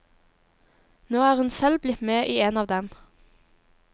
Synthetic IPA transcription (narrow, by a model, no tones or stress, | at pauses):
noːæːʁhʉnsɛlblɪt̪meːʔiːeːnɑːʋd̪ɛm